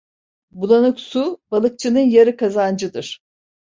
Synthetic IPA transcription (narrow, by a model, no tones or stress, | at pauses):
bulˠanɯksubalˠɯk̚t͡ʃʰɯnɯnjaɾɯkazand͡ʒɯd̪ɯɾ̥